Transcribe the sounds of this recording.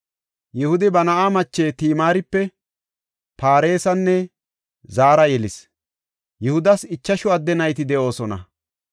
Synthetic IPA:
jɪhʊd̪ɪbɐnɐʔaːmɐt͡ʃːeːt̪iːmaːɾɪpːɛ | paːɾe̞ːsɐnːɛ | zaːɾɐjɛlɪs | jɪhʊd̪ɐsɪt͡ʃːɐʃʊɐd̪ːɛnɐjt̪ɪd̪ɛʔo̞ːsɔnɐ̰

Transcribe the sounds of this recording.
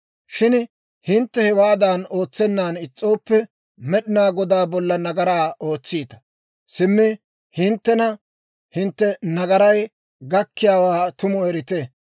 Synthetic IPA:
ʃɪn | hɪnt̪ːɛhɛwaːd̪aːno̞ːt͡sːɛnːaːnɪt͡sʼːo̞ːpːɛ | mɛɗɪnaːɡɔd̪aːbɔlːɐnɐɡɐɾaːo̞ːt͡sːiːt̪ɐ̥ | sɪmːɪ | hɪnt̪ːɛnɐ | hɪnt̪ːɛnɐɡɐɾɐj | ɡɐkːɪjaːwaːt̪ʊmɔɛɾɪt̪ɛ

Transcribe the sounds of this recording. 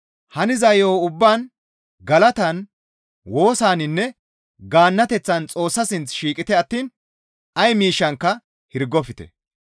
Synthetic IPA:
hɐnɪzɐjoːʊbːaːn | ɡɐlɐt̪ɐn | wo̞ːsaːnɪnːɛ | ɡaːnːɐt̪ɛt͡sːɐnt͡sʼo̞ːsːɐsɪnt͡sʃiːkʼɪt̪ɛɐt̪ːiːn | ɐjmiːʃːɐŋkːɐ | hɪɾɡɔfɪt̪ɛ̰

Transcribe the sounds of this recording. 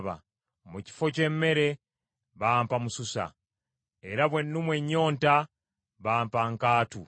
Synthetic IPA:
βa̰ | muci̥fo̞ce̞mːe̞ɾe̞ | βaːmpamususa̰ | e̞ɾaβwenːumwe̞ɲːo̞ːnta | βaːmpaŋkaːtu

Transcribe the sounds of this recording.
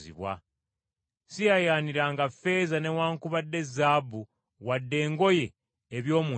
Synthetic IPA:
zḭβwa̰ | sijajaːniɾaŋɡafe̞zane̞waːŋkuβadːe̞zaːbu | wadːe̞ːŋɡo̞je̞ː | βjo̞ːmu

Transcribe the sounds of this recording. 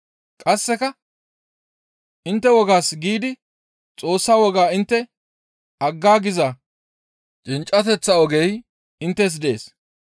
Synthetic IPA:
kʼɐsːɛkɐ | ʔɪnt̪ːɛwɔɡaːsɡiːd̪ɪ | t͡sʼo̞ːsːaːwɔɡaːɪnt̪ːɛ | ɐɡːaːɡɪza | t͡ʃʼɪnt͡ʃʼɐt̪ɛt͡sːɐɔɡej | ɪnt̪ːɛs̬d̪e̞̰ːs

